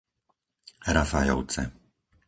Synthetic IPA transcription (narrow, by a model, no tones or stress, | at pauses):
ɾafajɔ̰ʊt͡sɛ̰